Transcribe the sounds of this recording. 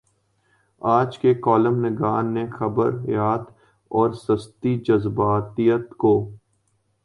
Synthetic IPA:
aːd͡ʒkekɔːləmnɪɡaːnːexɐbə̰ɾjaːt̪ | ɔːɾsɐst̪id͡ʒɐzbaːt̪ijət̪koː

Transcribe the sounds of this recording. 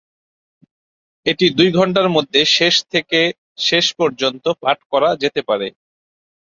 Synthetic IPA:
eʈid̪ujɡʱɔɳʈ̬aɾmod̪ʱːeʃeʃt̪ʰeke | ʃeʃpɔɾd͡ʑont̪opaʈkɔɾad͡ʑet̪epaɾe

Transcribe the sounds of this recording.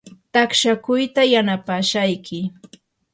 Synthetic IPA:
t̪akʃakʊjt̪ajanapaːʃajkʰɪ

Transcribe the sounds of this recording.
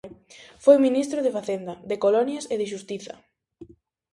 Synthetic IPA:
fojminist̪ɾoð̞efaθend̪ɐðekolɔnjɐseðɪʃ̬ust̪iθɐ̰

